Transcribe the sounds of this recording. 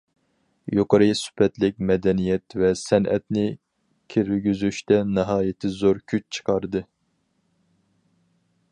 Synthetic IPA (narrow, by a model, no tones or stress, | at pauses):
joqəɾɨsy̥pʰɛt̪lɪk̚ʲmɛd̪ɛnijɛt̪vɛsɛnʔɛ̰t̪nɪ | kʲʰiɾɡʲyzyʃt̪ʰɛnɨɦɑːjɪt̪ʰɪzoɾkʲʰyt͡ʃt͡ʃʰə̥qʰɑɾd̪ɨ